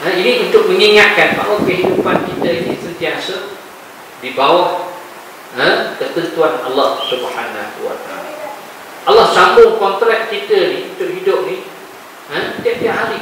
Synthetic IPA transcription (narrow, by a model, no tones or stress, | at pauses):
ə̃inĩunt̪ʊk̚mə̃ŋiŋat̪̚kanpa̰ʔakəɦidupankit̪əinisənt̪iasə | dibawaʔ | ɦə̃kərt̪ənt̪uana̰lːɑhsubhanawa̰t̪aa̰la̰ | ʔalːɑhsambʊŋkɔnt̪ɾɛk̚kit̪əniunt̪ʊʔhidʊp̚ni | ə̃t̪iaʔ̚t̪iaɦaɾi